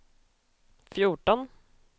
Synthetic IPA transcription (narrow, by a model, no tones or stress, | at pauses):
fjʊʈɔn